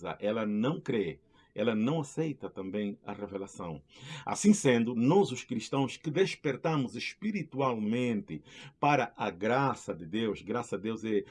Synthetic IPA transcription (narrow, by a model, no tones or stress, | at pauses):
zɐ̰ʔɛlɐnɐ̃w̃kɾe | ɛlɐnɐ̃w̃asejt̪ɐt̪ɐ̃mbẽj̃ɐ̰revelasɐ̰̃w̃a̰sĩsẽnd̪ʊnɔzʊʃkɾiʃt̪ɐ̃w̃skɪd̪eʃpeɾt̪ɐ̃mʊzeʃpiɾit̪ualmẽnt̪ɪpaɾɐʔɐɡɾasɐd̪ɪd̪ewʃɡɾasɐd̪ewzɛ